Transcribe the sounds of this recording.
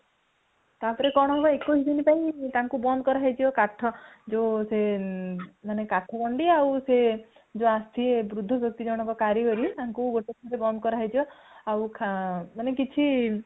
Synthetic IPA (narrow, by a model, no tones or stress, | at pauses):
t̪apɔɾekɔɽ̃ɔɦebɔekosd̪inipaĩt̪aŋkubɔnd̪ɔkɔɾɔajd͡ʒiɔkaʈʰɔd͡ʒõse | manekaʈʰɔbɔɳɖiawse | d͡ʒõast̪ʰiebɾud̪ʱːɔbjɔk̚t̪id͡ʒɔɽ̃ɔŋkɔkaɾiɡɔɾit̪aŋkuɡoʈet̪ʰɔɾebɔnd̪ɔkɔɾɔajd͡ʒiɔ | awkʰamanekit͡ʃʰi